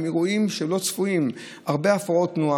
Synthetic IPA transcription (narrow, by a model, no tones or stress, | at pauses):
miʁuimʃelo̞t͡sfuim | aʁbeafao̞tnua